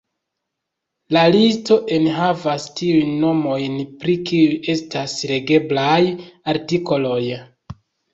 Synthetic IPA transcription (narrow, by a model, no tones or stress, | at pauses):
lalisto̞ʔe̞nɦavastiujnːo̞mo̞jnpɾikiujʔe̞stasɾe̞ɡe̞blajaɾtiko̞lo̞j